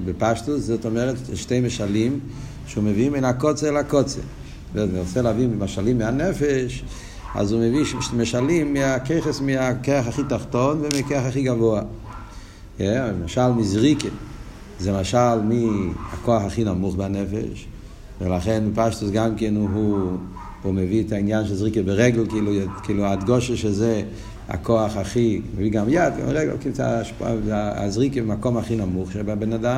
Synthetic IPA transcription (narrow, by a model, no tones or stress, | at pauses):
bɪpaʃtuszotomɛʁetʃteɪmeʃalim | ʃumevimenakɔt͡seɛlakɔt͡sḛ | vɛazmilt͡sɛlavimmaʃalimːɪanɛfɛʃ | a̰zuməvimɛʃalimːiakeɪχəsmɪakeaχaχitaχtɔnvɪmɪkɛaχaχiːɡavoa | jɛmaʃalmizʁike | zemaʃalmiakoaχaχinamuχbanefḛʃ | velaχenpaʃtusɡamkenɦu | umeviɛtainjanʃezʁikebeʁɛɡl̩kiilukiːluadɡoʃeʃeze | a̰koaχaχimeviɡamjad̚ɡa̰meʁɛɡl̩kiza̰ʃpa̰zaa̰zʁikebemakomaχinamuχʃebabenadam